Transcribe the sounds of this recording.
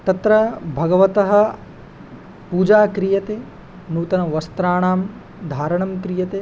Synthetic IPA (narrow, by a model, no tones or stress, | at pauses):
t̪ɐt̪ɾɐbʱɐɡɐʋɐt̪ɐɦɐ̆ | puːd͡ʒaːkɾijɐt̪eː | nuːt̪ɐnɐʋɐst̪ɾaːɳaːm | d̪ʱaːɾɐɳɐmkɾijɐt̪eː